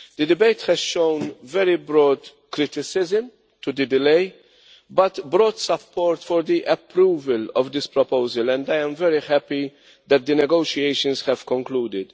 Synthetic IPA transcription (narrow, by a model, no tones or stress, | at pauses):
d̪̥ɨd̪ɪbejt̪hɛzʃõwnvɛɾibɾɔːd̪ | kɾɪt̪ɪsɪzɪm | t̪ud̪ɨd̪ɪlej | bɐt̪bɾɔːt̪sɐpːɔːɾt̪fɔɾd̪iʔɛpɾuːvəlɔvd̪ɪspɾɔpowzəlɛ̃nd̪ajɛ̃mvɛɾiħɛpi | d̪ɛt̪̚d̪ənɛɡowʃiejʃə̃nshɛv̥kɔ̃ŋkluːd̪ɪd̪